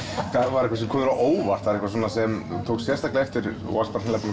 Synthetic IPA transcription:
kʰaðvaɾɛhkvas̬ɛmkʰɔːðɾaʔoːwvar̥t̪vaɾɛhkvaswɔːnːasɛmt̪ʰoːwksjɛrst̪ʰaːklaɛft̪ɪɾ | wa̰spaɾɛnlapan

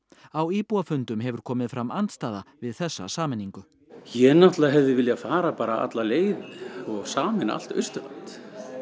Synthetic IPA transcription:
awiːpuafʏnt̪ʏmɦɛvʏɾ̥kʰɔːmɪðfɾamːant̪st̪aːðavɪðθɛsːa̰saːmɪnːiŋkʏ | jɛnaht̪laɦɛvðɪvɪljafaːɾapaːɾaa̰t̪laleːjðɪɔɣsaːmɪna̰l̥t̪œ̰ɥst̪ʏva̰nt̪

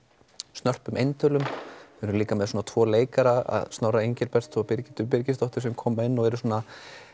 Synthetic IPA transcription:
st̪nœr̥pʏmejnt̪ʰœːlʏmɾʏliːkamɛðsɔːnat̪ʰvɔːleːjkaɾaða̰ðst̪nawraejɲcɪɾpɛr̥t̪ʰɔpɪɾcɪt̪ʏpɪɾcɪst̪ɔht̪ɪɾ̥sɛmkʰɔːmaɪnːɔɣɛɾʏsɔːna

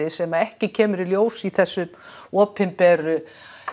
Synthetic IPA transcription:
ɪsɛmaɛhcɪcʰɛːmʏɾɪljoːwsiθɛsːʏm | ɔːpɪmpɛrʏ

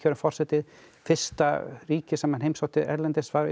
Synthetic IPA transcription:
œɾʏmfɔr̥sɛt̪ɪð | fɪr̥st̪ariːcɪsaːmanhejmsawt̪ɪɛ̰ɾlɛnt̪ɪsfaɣ̰

